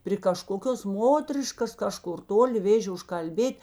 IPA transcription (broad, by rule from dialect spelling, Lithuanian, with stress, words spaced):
pʲrʲɪ kɐˈʃkoːkʲoːs ˈmoːtʲrʲɪʃkɐs ˈkɑːˌʃkʊr ˈtoːlʲɪ ˈʋʲeːʒʲeː ʊʃkɐlʲˈbʲeːtʲ